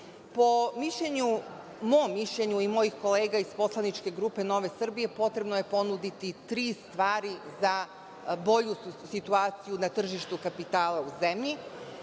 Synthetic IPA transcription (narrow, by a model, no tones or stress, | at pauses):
po̞miʃʎe̞ɲu | moːmːiʃʎeɲuimo̞jixko̞leːɡaispo̞slˠanit͡ʃke̞ɡɾuːpe̞no̞ʋe̞sr̩bije̞po̞t̪ɾe̞bnoje̞po̞nud̪it̪it̪ɾiːst̪ʋaːɾiza | bo̞ʎusit̪uaːt̪sijunat̪r̩ʒiʃt̪ukapit̪aːlauzemʎi